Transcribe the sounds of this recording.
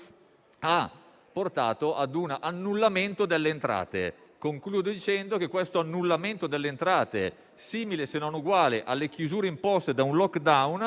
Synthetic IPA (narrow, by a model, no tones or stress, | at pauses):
a | pːort̪a̰ːt̪oʔad̪unanːulːament̪od̪elːeːnt̪ɾa̰ːt̪ḛkoŋkluːd̪od̪it͡ʃɛnd̪ok̟ekwest̪oanːulːament̪od̪elːeːnt̪ɾaːt̪e | siːmilesenonuɡwaːleʔalːekjuzuːɾeimpɔst̪ed̪aunlɔkːd̪awn